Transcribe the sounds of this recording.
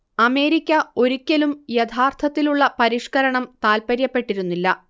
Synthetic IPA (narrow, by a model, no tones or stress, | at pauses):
ɐme̞ːɾikʲːɐo̞ɾikʲːɐlumjet̪ʰaːrt̪ʰɐt̪ːiluɭːɐpɐɾiʂkɐɾɐɳɐmt̪aːlpɐɾjɐpːe̞ʈːiɾunːilːɐ